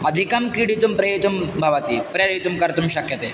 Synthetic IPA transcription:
ɐd̪ʱikɐmkɾiɽit̪umpɾɐit̪umbʱɐʋɐt̪ipɾɐɾit̪umkɐɾt̪umʃɐkʰjɐt̪eː

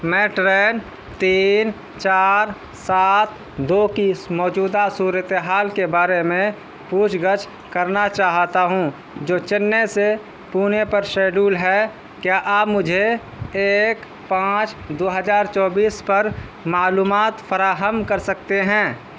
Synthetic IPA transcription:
mɛ̃ːʈɾeːn | t̪iːn | t͡ʃaːɾ | saːt̪ʰ | d̪oːkimɔːd͡ʒuːd̪asuːɾət̪eɦaːlkebaːɾemẽ | puːt͡ʃɡət͡ʃʰ | kəɾnat͡ʃaːɦt̪aɦũ | d͡ʒoːt͡ʃɪnːese | puːnepəɾʃeːɖuːlɦɛ | kjaʔaːbmʊd͡ʒʱe | eːk | pãːt͡ʃd̪oːɦəzaːɾt͡ʃɔːbiːspəɾmaːluːmaːt̪fʰəɾaːɦəmkəɾsəkt̪eɦɛ̃ː

